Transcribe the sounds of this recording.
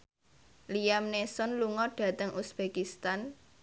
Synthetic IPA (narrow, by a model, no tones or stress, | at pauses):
liamnesɔnluŋɔɖ̥ä̤t̪əŋʔusb̥ekist̪an